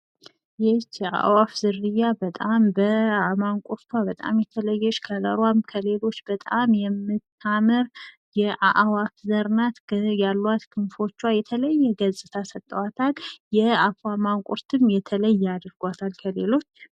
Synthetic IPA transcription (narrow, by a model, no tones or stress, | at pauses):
jɛt͡ʃːa̰ʔwafzɨɾːɨjːabət̪ʼambəamankʷʼuɾt̪ʰwabət̪ʼa̰mjɛt̪ʰələjːɛʃkʰəzəɾwamkʰəle̞lo̞t͡ʃːbət̪ʼamjɛmːɨt̪ʰːaməɾ | jɛʔaʔawafzəɾnat̪jalːwat̪kʰɨnfo̞t͡ʃːwajɛt̪ʰələjːɛɡəzʼɨt̪ʰasət̪ʼːəwat̪ʰaljɛafamankʼuɾt̪ʰɨmjɛt̪ʰələjːɛad̪ɾɡʷat̪ʰalkʰəlelo̞t͡ʃː